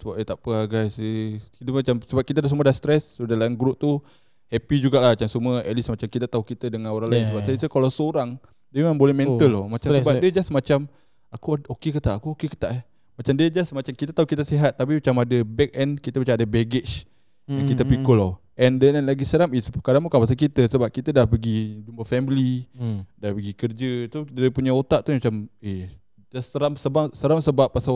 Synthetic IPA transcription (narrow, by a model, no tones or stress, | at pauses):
səbap̚et̪apəaɡajsekit̪əmat͡ʃamsəbap̚kit̪adasəmuadast̪ɾɛssodalainɡɾup̚t̪u | hɛpid͡ʒuɡaʔlahat͡ʃamsuməə̰t̪̚lismat͡ʃamkit̪at̪aukit̪ədəŋãnoɾaŋlajɪnsəbapsajəsəkalawsəoɾaŋ | dəmimãnbolɛmɛ̃nt̪əlɔmat͡ʃamsəbapdiəd͡ʒasmat͡ʃam | akuokekət̪aʔakuokekə̥t̪aʔɛ | mat͡ʃamdiəd͡ʒasmat͡ʃamkit̪ət̪aɦukit̪əsiɦat̪̚ːap̬imat͡ʃamadəbɛk̚ɛnkit̪əmat͡ʃamadəbɛɡɪt͡ʃ | jaŋkit̪əpikolɔ | ʔɛndənɛnlaɡisəɾamisəkadanmukanpas̬akit̪əsəbap̚kit̪ədahpəɡid͡ʒumbafɛmilidahpəɡikərd͡ʒət̪udiəpuɲaot̪aʔt̪umat͡ʃame | d͡ʒasəɾamsəbasəɾamsəbapːasa